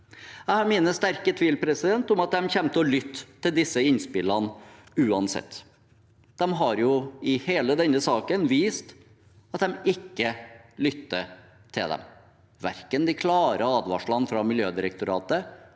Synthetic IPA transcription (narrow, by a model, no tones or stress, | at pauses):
jæɪhɑɾmiːnəst̪æɾkət̪ʰʋiːlpʰɾɛsɪd̪ɛnt̪ɔmɑt̪̚d̪ɛmçɛmt̪əɔlʏt̪ːɪld̪ɪsːəɪnspɪlənʉːɑnsɛ̰t̪ː | d̪̥ɛmɦɑɾjʊɪheːləd̪ɛnːəsɑːkənʋiːst̪ | ɑt̪d̪ɛmɪkːəlʏt̪ːə̰ | t̪ʰɪld̪ɛ̰m | ʋæ̰ɾkənd̪ɪkʰlɑːɾəɑːd̪ʋɑ̰ʂɭɑnfɾɑmɪljøːd̪ɪɾəkt̪ʊɾɑ̰ːt̪ə